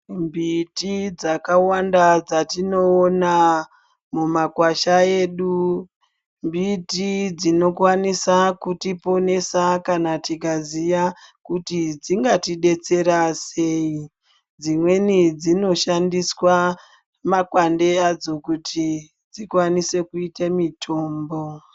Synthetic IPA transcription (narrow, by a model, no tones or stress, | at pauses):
mbitid͡zakawandad͡zatino̞ːna | mumakwaʃaeɗu | mbitid͡zino̞kwanisakutipo̞ne̞sakanatikazijakutid͡ziŋɡatiɗe̞t͡se̞ɾase̞i | d͡zimwe̞nid͡zino̞ʃandiswa | makwande̞ad͡zo̞kutʰi | d͡zikwanise̞kuitamitʰo̞ːmbo̞